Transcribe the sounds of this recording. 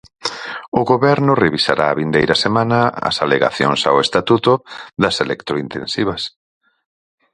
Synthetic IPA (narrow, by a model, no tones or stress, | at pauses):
ʊɣoβɛɾnʊreβisa̰ɾʔaːβind̪ejɾɐsemãnɐɐ̰saleɣa̰θjo̰ŋsa̰west̪at̪ut̪ʊðɐselʔḛkt̪ɾoint̪ḛnsiβɐs